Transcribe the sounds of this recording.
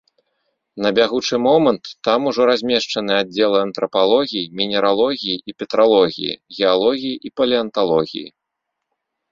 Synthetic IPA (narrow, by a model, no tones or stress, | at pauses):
nɐbʲaɣut͡ʂɨmɔmɐnt̪ːamuʐɔɾazʲmʲɛʂt͡ʂɐnɨad͡zʲːɛlˠɨɐnt̪ɾɐpalˠɔɣʲijimʲinʲɛɾalˠɔɣʲijiʔipʲɛt̪ɾalˠɔɣʲḭjḭɣʲɛalˠɔɣʲijiʔipɐlʲiɐnt̪alˠɔɣʲḭjḭ